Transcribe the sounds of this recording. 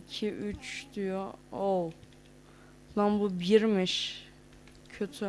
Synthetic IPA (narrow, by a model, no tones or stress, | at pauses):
cʰiʔyt͡ʃd̪yjool | lambubiɾmiʃ | cʰøt̪ʰy